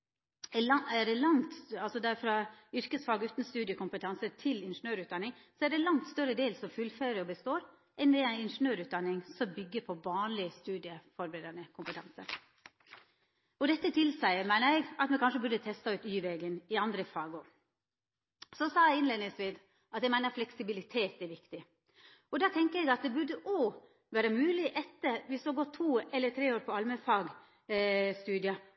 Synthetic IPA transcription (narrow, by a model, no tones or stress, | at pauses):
æɖɛlɑŋt̪ɑlsɔd̪æɾfɾɑʏɾkəsfɑːɡʉːt̪n̩st̪ʉːd̪ɪəkʊmpət̪ʰɑnsət̪ʰɪlɪnʂənøːɾʉːt̪d̪ɑnːɪŋsɔæɖɛlɑŋt̪st̪œɾəd̪eːlsɔmfʉlfæɾəɔbəst̪oːɾ | ʔɛnd̪ɛæɪɪnʂənøːɾʉːt̪̚d̪ɑnːɪŋsɔmbʏɡːəpʰɔʋɑːnlɪəst̪ʉːd̪ɪəfɔɾbəɾeːd̪ɑnəkʰʊmpət̪ʰɑ̰nsə̰ɾ | ɔd̪ɛt̪ːət̪ʰɪlsæɪəmæɪnəɾæɪɡɑt̪mɛkʰɑnʂəbʉɖət̪ʰɛst̪ɑʉːt̪yːʋɛːɡənɪɑnd̪ɾəfɑːɡʊɾ | sɔsɑːæɪɪnleːd̪nɪŋsʋiːd̪ | ʔɑt̪jæɪmæɪnəɾflɛksɪbɪlɪt̪ʰeːt̪ɛɾʋɪkt̪ɪ | ɔd̪ɑːt̪ʰɛŋkəɾɛɪɡɑt̪̚d̪ɛbʉɖəʔɔː | ʋæːɾəmʉːlɪʔɛt̪ːəʋɪsd̪oːɡɔt̪ʰːuːɛlːət̪ʰɾeːoːɾpʰɔɑlməfɑːɡ | st̪ʉːd̪ɪɑ